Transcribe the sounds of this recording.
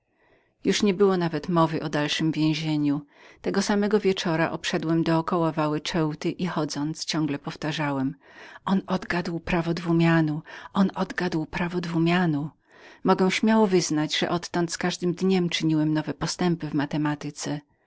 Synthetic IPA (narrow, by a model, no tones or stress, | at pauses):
juʂɲɛbɘwɔnavɛt̪mɔvɘʔɔd̪alʂɘmvʲjẽw̃ʑeɲut̪ɛɡɔsamɛɡɔvʲjɛt͡ʂɔɾa̰ʔɔpʂɛd̪wɛmd̪ɔːkɔwavawɛt͡ʂɛwt̪ɘʔixɔd̪zɔnt̪st͡ɕɔ̃ŋɡlɛpɔft̪aʐawɛmʔɔnɔd̪ɡad̪wpɾavɔd̪vumʲjanuʔɔnɔd̪ɡad̪wpɾavɔd̪vumʲjanu | mɔɡɛw̃ɕmʲjawɔvɘznad͡ʑʐɛ̰ʔɔt̪ːɔnt̪skaʐd̪ɘmd̪ɲɛmt͡ʂɘɲiwɛmnɔvɛpɔst̪ɛmpɘvmat̪ɛmat̪ɘt̪sɛ